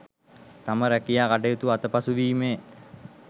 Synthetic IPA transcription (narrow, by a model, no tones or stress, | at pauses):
t̪aməɾækijaːkaʈ̬əjut̪uat̪əpasuʋiːme